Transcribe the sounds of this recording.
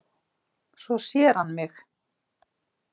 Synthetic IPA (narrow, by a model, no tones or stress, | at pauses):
svɔsjɛɾ̥hanːmɪx